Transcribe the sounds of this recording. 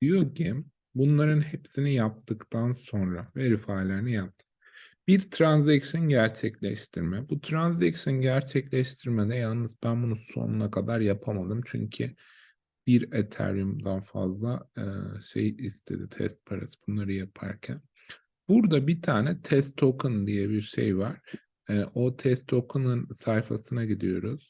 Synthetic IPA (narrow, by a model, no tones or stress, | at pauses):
d̪ijocʰim | bunlˠaɾɯnhepsinijap̚t̪ʰɯkt̪ʰanso̞nɾaveɾifaːlʲeɾinijap̚t̪ʰɯ̥ | b̥iɾt̪ʰɾanzacʃonɟæɾt͡ʃʰɛclʲɛʃt̪ʰiɾmɛbut̪ʰɾanzɛkʃɯnɟæɾt͡ʃʰɛclʲɛʃt̪ʰiɾmɛd̪ɛjalˠnɯzbænbunuso̞̰nunakʰad̪aɾjapʰamad̪ɯmt͡ʃʰy̰ɲcʰi | b̥iɾet̪ʰæ̰ɾjumd̪anfa̰zlˠaɯʃḛjist̪ʰe̞̰d̪it̪ʰɛ̰st̪̚pʰaɾa̰sɯ̥b̥unlˠaɾɯjapʰa̰ɾcʰæ̰n | b̥uɾd̪abit̪ʰaːnɛt̪ʰɛst̪ʰːokɯnd̪ijɛbiɾʃḛjvaɾ̥ | ɛːʔo̞t̪ʰɛst̪ʰːo̞kʰɯnɯnsajfa̰sɯnaɟid̪ḭjo̞ɾuz̥